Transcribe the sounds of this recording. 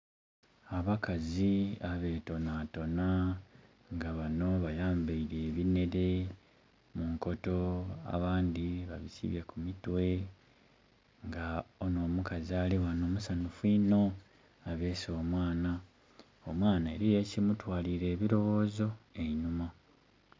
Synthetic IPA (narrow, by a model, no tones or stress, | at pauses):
aβakaziaβe̞ːto̞naːto̞na | ŋɡaβano̞βajaːmbeiɾeːβine̞ɾe̞ | muŋko̞to̞a̰βaːnd̪iβa̰βisḭβjakumitwe̞ | ŋɡaono̞ːmukazialiwano̞ːmusanufwino̞ | aβe̞ːso̞ːmwaːna | omwaːnaeɾijeːcimutwaːliɾe̞ːβiɾo̞wo̞ːzo̞eɲuma